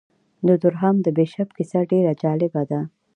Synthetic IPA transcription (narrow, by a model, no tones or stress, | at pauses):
d̪əd̪ʊɾɦamd̪əbeʃabkɪsaɖeɾad͡ʒɑlɪbad̪a